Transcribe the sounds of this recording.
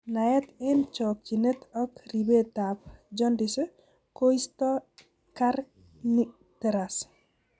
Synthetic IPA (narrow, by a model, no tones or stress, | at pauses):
najɛt̪ɪnt͡ʃɔkinet̪ʰɔkribet̪apd͡ʒɔndis | koist̪ɔ | kaɾ | ni | t̪ɛɾas